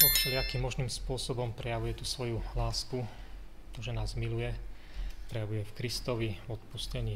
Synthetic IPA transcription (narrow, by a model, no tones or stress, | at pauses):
ɔtt͡ʃɛlɪakimːɔʒniːmspʊɔsɔbɔmpɾɛjaʋujɛt̪usʋɔjulaːsku | t̪ɔʒɛnaːzmilujɛ | pɾɛjaʋujɛfkɾist̪ɔʋivɔt̪puscɛɲiː